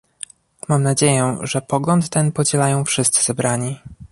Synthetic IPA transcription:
mamnad͡ʑejɛʐɛpɔɡlɔnt̪ːɛnpɔd͡ʑɛlajɔ̃w̃fʂɘst̪sɘ̥zɛbɾaɲi

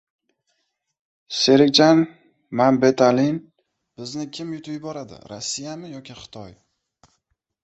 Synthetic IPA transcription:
seɾek̚ʲt͡ʃan | manbe̞t̪ʰalin | b̥ɪznɪkʲʰɪmjʊt̪ʰɪɪbɒɾad̪ɪ̰ɾasːijamɪjɒkʲʰɪχɨ̥t̪ʰɒj

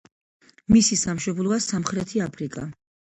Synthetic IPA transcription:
misisamʃɔblˠɔasamχɾɛt̪ʰiapʰɾikʼa̰

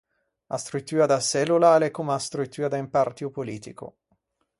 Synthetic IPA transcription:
ast̪ɾut̪ːyːad̪asɛlulalɛkːumast̪ɾut̪ːyːad̪aimpart̪iopoliːt̪iko̰

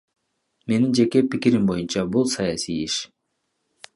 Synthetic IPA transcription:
me̞nind͡ʒe̞ke̞pikiɾimbo̞junt͡ʃɑbulˠsɑjɑsijiʃ

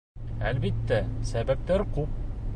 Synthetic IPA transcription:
ælbit̪ːæsæbæp̚t̪æɾqup̚

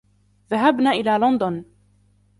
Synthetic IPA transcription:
ðaɦabnaːʔɪlaːlɔnd̪ˤʊn

